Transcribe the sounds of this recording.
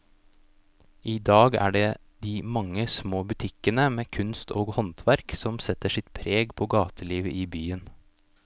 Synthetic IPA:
iːd̪ɑːɡæ̰ːɖeː | d̪iːmɑŋːəsmoːbʉt̪ʰɪkənəmeːkʰʉnst̪ʰoːɡhɔnt̪ʰʋæɾksɔmsɛt̪əʂɪt̪pʰɾeːɡpʰoːɡɑːt̪ʰəliːʋəʔiːbyːən

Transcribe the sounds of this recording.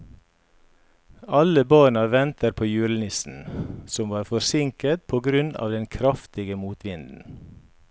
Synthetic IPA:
ɑləbøːɳɑʋɛnt̪əɾpʰoːjʉːlnɪsn̩sɔmʋɑːɾfɔɾsɪŋkət̪̚pʰoːɡɾʉnɑ̰ːʋd̪ɛnkʰɾɑft̪ɪɡəmuːt̪ʋɪnd̪n̩

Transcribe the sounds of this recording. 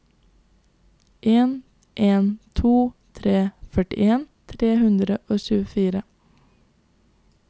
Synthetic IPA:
ʔeːn | ʔeːnt̪ʰuːt̪ʰɾeːfœʈɪ̰ʔeːnt̪ʰɾeːhʉnd̪ɾəʔoːʃʉːəfiːɾə

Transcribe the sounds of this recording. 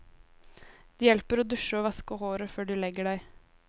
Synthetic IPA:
d̪̥iːjɛlpəɾoːd̪ʉʃəɔːʋɑskəhoːɾəføːɖʉlɛɡəɖæɪ

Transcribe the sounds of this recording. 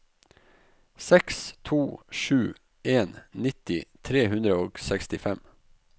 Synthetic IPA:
sɛkst̪ʰuːʂʉː | ʔeːnnɪt̪ɪt̪ʰɾeːhʉnd̪ɾəoːɡsɛkst̪ɪfɛm

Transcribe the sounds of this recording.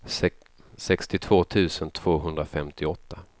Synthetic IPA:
sɛkst̪ɪt̪ʰv̥oːt̪ʰʉ̟ːsənt̪ʰv̥oːɦɵnd̪ɾafɛmt̪ɪɔt̪ːa

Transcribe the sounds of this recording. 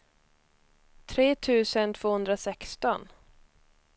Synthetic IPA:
t̪ʰɾeːt̪ʰʉ̟ːsənt̪ʰvoːhɵnd̪ɾasɛkst̪ɔn

